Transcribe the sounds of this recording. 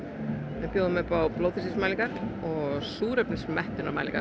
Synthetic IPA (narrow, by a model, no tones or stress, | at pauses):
ɪpjoːwðʏmpawplowθʰɪsismaːjliŋkaɾɔɣsuːɾœpnɪsmɛht̪ʏnama̰ːjlḭŋka̰